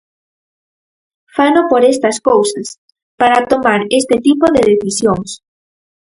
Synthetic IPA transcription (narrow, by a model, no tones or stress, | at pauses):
fanopoɾest̪ɐskowsas | paɾat̪omaɾest̪et̪ipoðeðeθisjoŋs